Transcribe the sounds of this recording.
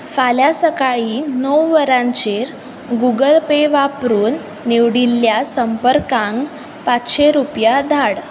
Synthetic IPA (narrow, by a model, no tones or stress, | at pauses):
faljasəkaɭiːnəwːəɾãɲt͡ɕeɾ | ɡuɡəlpeʋapɾuːnː | eʋɽilːjasəmpəɾkãŋɡ | pat͡sɕeɾupjad̪ʱaɽ